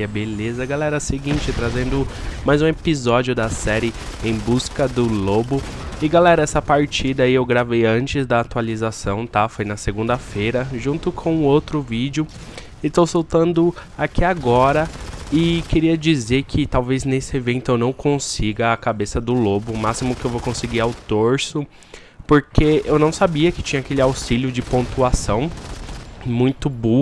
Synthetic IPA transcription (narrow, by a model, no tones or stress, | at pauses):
ɐbelezɐɡalɛɾɐseɡĩt͡ʃɪt̪ɾazẽnd̪ʊ | majzũepizɔd͡ʒiʊd̪ɐsɛɾɪ | ẽj̃buskɐd̪ʊlobʊ | ɪɡalɛɾɐɛsɐpaɾt͡ʃid̪ɐiewɡɾavejɐ̃t͡ʃɪzd̪ɐat̪ualizasɐ̃w̃t̪afojnɐseɡũnd̪ɐfejɾɐʒũnt̪ʊkʰõũowt̪ɾʊvid͡ʒjʊ | ɪst̪owsowt̪ɐ̃nd̪ʊakiaɡɔɾɐɪkeɾiɐd͡ʒizeɾkʰɪt̪awveznesɪevẽnt̪ʊewnɐ̃w̃kʰõsiɡɐːkabesɐd̪ʊlobʊːmasimʊkɪewvokõsɪɡiawt̪oɾsʊ | poɾkeewnɐ̃w̃sabiɐkɪ̥t͡ʃĩɲɐakelɪawsiljʊd͡ʒɪpõnt̪uasɐ̃w̃ | mũj̃t̪ʊbu